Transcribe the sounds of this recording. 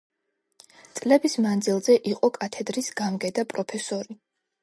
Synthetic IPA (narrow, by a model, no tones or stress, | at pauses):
t̪sʼlɛbismand̪zilˠzɛʔiqʼɔkʼat̪ʰɛd̪ɾisɡamɡɛd̪apʼɾɔpʰɛsɔɾi